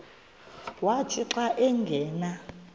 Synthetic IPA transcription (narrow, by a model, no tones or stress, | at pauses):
watʰʼiǁaʔɛŋɡʱɛːna